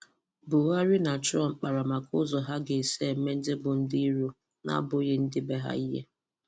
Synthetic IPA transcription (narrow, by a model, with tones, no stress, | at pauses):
bʊ˨wa˦ɾɪ˦na˨t͡ʃɔ˦˨ŋ͡m̩˦k͡pa˨ɾa˨ma˨kʊ˦zɔ˨ɦa˦ɡe˨e˨se˦˨m̩˦me˦n̩˦dɪ˦bʊ˨n̩˦di˦i˦ɾo˦ | na̰˦bʊ˨˦ɣe˦n̩˦dɪ˦be˦ɦa̰˦i˦ɦḛ˦